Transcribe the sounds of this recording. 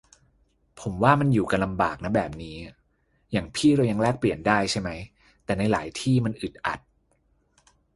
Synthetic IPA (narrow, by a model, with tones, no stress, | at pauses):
pʰo˩˦mwaː˥˩ma˧njuː˨˩ka˧nla˧mbaː˨˩k̚na˦˥bɛː˨˩p̚niː˦˥ | jaː˨˩ŋpʰiː˥˩ɾa˧wja˧ŋlɛː˥˩k̚pli˨˩əndaː˥˩jt͡ɕʰa˥˩jma˦˥j | t̪ɛː˨˩na˧jla̰ː˩˦jt̪ʰiː˥˩ma˧nʔɯ˨˩t̪̚ʔa̰˨˩t̪̚